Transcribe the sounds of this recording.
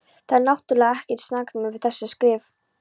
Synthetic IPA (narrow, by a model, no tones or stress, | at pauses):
θaðɾnawht̪ʏlɛːɣɛhcɪɾt̪snaknmʏvɪðθɛsːɪskɾɪːv